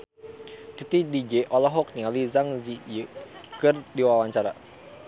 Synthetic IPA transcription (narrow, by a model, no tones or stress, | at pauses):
t̪it̪idid͡ʒeʔɔlɔɦɔk̚niŋalizaŋzijəkɨrdiwawaɲt͡ʃaɾa̰